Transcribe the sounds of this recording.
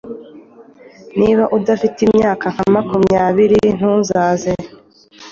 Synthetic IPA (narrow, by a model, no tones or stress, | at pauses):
niβaʔudafitimɲaːkaŋ̥hamakumɲaːβiɾin̥uːnzaːze